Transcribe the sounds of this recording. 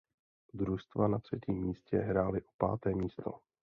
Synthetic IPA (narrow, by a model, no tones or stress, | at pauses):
d̪ɾust̪vanat̪r̝̥ɛciːmːiːscɛ̰ɦɾaːlɪʔo̥pa̰ːt̪ɛːmiːst̪o̞̰